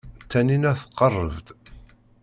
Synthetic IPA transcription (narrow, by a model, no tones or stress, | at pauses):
t͡s̪ːæninæθə̥qːərˤːə̰vt̪